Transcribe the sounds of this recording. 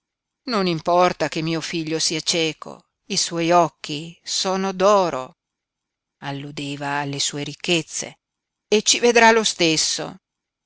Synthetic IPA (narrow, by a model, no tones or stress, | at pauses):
nonimpɔrt̪akemːiːofiʎːosiːat͡ʃɛːkʰo̰ | iswɔjɔkːisoːnod̪ɔːɾo̰ | alːud̪eːvaːlːesuːeɾikːet̪sːḛ | et͡ʃːived̪ɾalost̪esːo̰